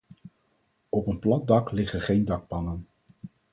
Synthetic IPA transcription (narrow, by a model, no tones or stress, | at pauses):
ɔpənplɑt̚dɑklɪχəχejndɑk̚pɑnən